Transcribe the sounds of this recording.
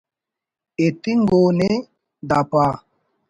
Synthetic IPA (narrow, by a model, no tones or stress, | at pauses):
et̪iŋɡoːne | d̪apaː